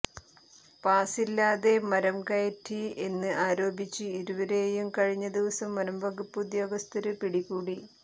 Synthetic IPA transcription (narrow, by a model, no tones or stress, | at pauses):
paːsilːaːðe̞mɐɾɐmkɐjɐtʰːie̞nːɨaːɾo̞ːbit͡ɕːɨiɾuʋɐɾejumkɐɻiɲːɐd̪iʋɐsɐmːɐɾɐmbɐɡupːd̪jo̞ːɡɐst̪ɐɾɨpiɽikːuːɽi